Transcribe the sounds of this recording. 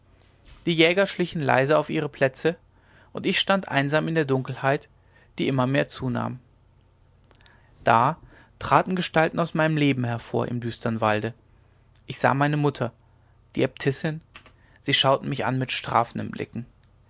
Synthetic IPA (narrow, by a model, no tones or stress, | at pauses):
d̥iːjɛːɡɐʃlɪçn̩la̰ɪzəaʊfʔiːʁ̞əpʰl̥ɛt͡sə | ʔʊntɪçʃtantʔa̰ɪnzaːmɪndeːɐdʊŋkl̩haɪt | d̥iːʔɪmɐmeːɐt͡suːna̰ːm | d̥aː | tʁ̥aːtn̩ɡəʃtaltn̩aʊsmaɪnəmleːbm̩ɦɛɐfoːɐʔɪ̰mdyːstʰɐnvaldə | ʔɪçz̥a̰ːmaɪnəmʊtʰɐ | d̥iːɛp̚tʰɪsɪn | z̥iːʃaʊtn̩mɪçʔa̰nmɪtʃtʁ̥a̰ːfn̩də̰mblɪ̰kŋ̩